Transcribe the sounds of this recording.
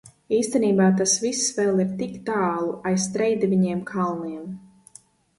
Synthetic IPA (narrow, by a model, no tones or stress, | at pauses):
iːst̪ɛniːbaːt̪asvisːvɛlˠiɾt̪ikt̪aːlˠuʔajst̪ɾɛjd̪vʲiɲiɛmkʰalˠniɛm